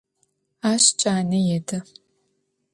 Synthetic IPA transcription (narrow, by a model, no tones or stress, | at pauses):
aːɕt͡ʃʼaːnɨjɛdʰɐ